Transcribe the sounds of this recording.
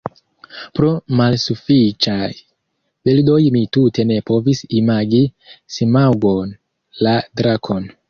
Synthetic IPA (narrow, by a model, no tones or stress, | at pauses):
pɾo̞malsufit͡ʃaj | vildo̞jmitute̞ne̞po̞visimaɡisimawɡo̞n | ladɾakʰo̞n